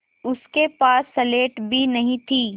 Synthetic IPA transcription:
ʊskepaːsːɐleːʈbʱinɐɦĩt̪ʰiː

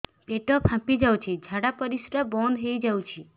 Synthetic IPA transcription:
peʈopʰãpid͡ʒawt͡ʃʰid͡ʒʱaɽapəɾisɾabɔnd̪ɦejd͡ʒawt͡ʃʰi

